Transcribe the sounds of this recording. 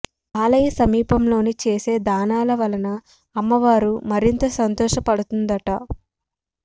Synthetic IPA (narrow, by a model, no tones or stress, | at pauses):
aːlɐjɐsɐmiːpɐmlo̞ːnit͡ʃe̞ːse̞ːd̪aːnaːlɐʋɐlɐnɐː | mːɐʋaːɾumɐɾint̪ɐsɐnt̪ɔːʃɐpɐɽut̪und̪ɐʈɐ